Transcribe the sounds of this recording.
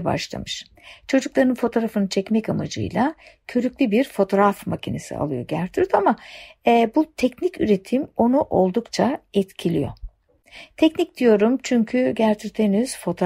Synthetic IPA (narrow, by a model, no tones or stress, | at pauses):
ba̰ʃlˠa̰mɯʃ | t͡ʃʰo̞d͡ʒuklˠaɾɯnfo̞t̪ʰo̞ɾafɯnɯt͡ʃʰɛcmɛcama̰d͡ʒɯ̰jlˠacʰø̞ɾycʲlʲybiɾfo̞t̪ʰo̞ɾafmacʰinḛsḭa̰lˠɯjo̞̰ɟæɾt̪ʰyɾt̪ama | but̪ʰɛcnicyɾe̞t̪ʰimo̞nuʔo̞lˠd̪ukt͡ʃʰaɛt̪cʰilʲḭjo̞̰ | t̪ʰɛcnic̚d̪̥ijo̞ɾumt͡ʃʰyɲcʰyɟæɾt̪ʰyɾt̪ʰeniz̥fo̞t̪ʰo